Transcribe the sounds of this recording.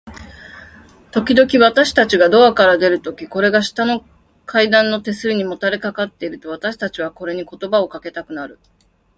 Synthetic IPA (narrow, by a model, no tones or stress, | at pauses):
t̪o̞kʲid̪o̞kʲiβat̪aɕi̥t̪at͡ɕiɡad̪o̞akaɾad̪e̞ɾɯ̟t̪o̞kʲiko̞ɾe̞ɡaɕi̥t̪ano̞ | kʰaid̪ãnːo̞t̪e̞sɨɾʲiɲ̟imo̞t̪aɾe̞kakat̪ːe̞iɾɯ̟t̪o̞βat̪aɕi̥t̪at͡ɕiβ̞ako̞ɾe̞ɲ̟iko̞t̪o̞bao̞kake̞t̪akɯ̟naɾɯ̟